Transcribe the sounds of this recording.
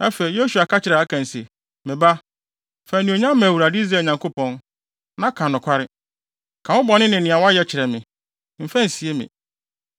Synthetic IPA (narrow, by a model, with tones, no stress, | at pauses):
a˦fɛ˨i˨˦jo˦su˨a˨kʰa˦t͡ɕɪ˨ɾɛ˨a˦kʰã˨n̩˨se˨ | mɪ̃˨ba˦ | fæ˨nĩ˨o˨ɲã˦m˦m˨æ˨wu˨ɾa˨dɪ˦i˦z̬ɛ˨ɲã˨ŋko˦pɔ̃˦n | nã˦kʰã˨nʊ̃˨kʷʰa˦ɾɪ˦ | kʰã˨wʊ̃˦bɔ˨nɪ̃˦nɪ̃˨nɪ̃˨a˨wɔ˦a˦jɛ˨t͡ɕʰɪ˨ɾɛ˨mɪ̃˨ | m̩˨fæ̃˦n̩˨si˨e˦mɪ̰̃˨